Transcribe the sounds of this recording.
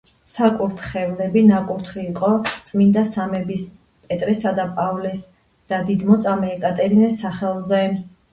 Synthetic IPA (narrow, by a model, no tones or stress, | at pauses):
sakʼuɾt̪ʰχɛvlɛbinakʼuɾt̪ʰχiːqʼɔt̪sʼmind̪asamɛbis | pʼɛt̪ʼɾɛsad̪apʼavlɛs | d̪̥ad̪id̪mɔt̪sʼamɛːkʼat̪ʼɛɾinɛsaχɛlˠzɛ